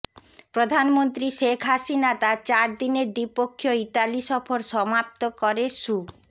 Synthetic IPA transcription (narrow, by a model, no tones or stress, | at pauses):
pɾod̪ʱanmont̪ɾiʃekʰɦasinat̪at͡ɕaɾd̪ineɾd̪ipokʰːjoiʈaliʃɔfʰoɾʃɔmap̚t̪okɔɾeʃu